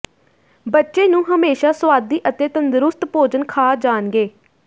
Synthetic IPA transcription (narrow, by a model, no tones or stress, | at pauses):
bətːʃeːnũːɦəmeːʃaːsʋaːd̪iːʔət̪eːt̪ənd̪ʊɾʊst̪poːd͡ʒənkʰaːd͡ʒaːnɡeː